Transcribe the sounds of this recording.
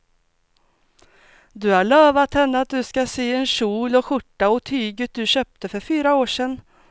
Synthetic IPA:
d̪ɵhaɭøːvat̪hɛnːəat̪̚d̪ɵskaseːɛnʂuːlɔɧʊʈːaɔt̪ʰyːɡət̪̚d̪ɵɕœːp̚t̪əfœɾfyːɾaoːʂɛnː

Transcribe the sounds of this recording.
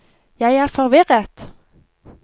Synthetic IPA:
jæɪæʁfɔʁʋɪʁət̪

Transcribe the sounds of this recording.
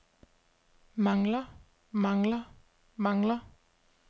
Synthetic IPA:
mɑŋlə | mɑŋlə | mɑŋlə

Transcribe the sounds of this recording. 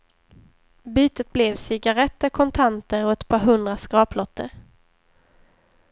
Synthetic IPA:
byːt̪ət̪̚blɛvsɪɡaɾɛt̪ːəɾkʰɔnt̪ʰant̪əɾɔɛt̪pʰɑːɾɦɵnd̪ɾaskɾɑːplɔt̪ʰːə̰ɾ

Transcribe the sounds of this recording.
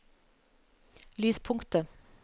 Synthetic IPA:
lyːspʰʊŋkt̪ə

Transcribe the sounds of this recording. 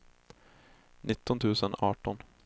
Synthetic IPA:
nɪt̪ːɔnt̪ʰʉːsənɑːʈɔn

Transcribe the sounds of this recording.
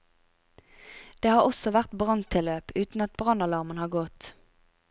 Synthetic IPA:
d̪̥eːhɑːʁɔsɔʋæʁt̪bʁɑnt̪ʰɪløːpʉːt̪n̩ɑt̪̚bʁɑnɑlɑʁmənhɑːʁɡɔt̪

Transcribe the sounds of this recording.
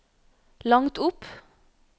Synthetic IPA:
lɑŋt̪ʊp

